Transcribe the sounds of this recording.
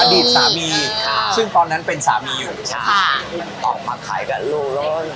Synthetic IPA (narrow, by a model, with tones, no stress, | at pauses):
ʔa˧diː˨˩t̪̚saː˩˦miː˧sɯ˥˩ŋt̪ɔː˧nːa˦˥npe˧nsa̰ː˩˦miː˧juː˨˩˦a˥˩ʔɔː˨˩k̚maː˧kʰa̰ː˩˦jka˨˩luː˥˩k̚loː˦˥˩n